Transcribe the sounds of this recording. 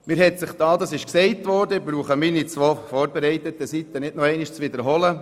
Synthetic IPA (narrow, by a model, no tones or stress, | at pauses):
mɪːɾhɛtsɪχd̥ɑːd̪ɑsɪʃksɛɪtʋɔːɾdəɪbɾuːχəminit͡sʋoːfɔːɾbeɾɛɪt̪ət̪əsit̪ːənɪdnɔɛɪniʃt͡sʋɪd̪əɾɦɔlə